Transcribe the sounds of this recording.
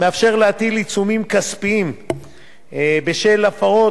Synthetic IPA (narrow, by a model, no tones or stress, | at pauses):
meafʃe̞ʁleat̪ilit͡sumimkaspiim | beʃe̞lafaʁo̞